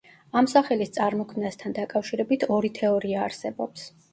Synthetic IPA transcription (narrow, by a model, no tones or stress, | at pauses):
amsaχɛlist̪sʼaɾmɔkʰmnast̪ʰand̪akʼafʃiɾɛbit̪ʰɔɾit̪ʰɛɔɾiaːɾsɛbɔps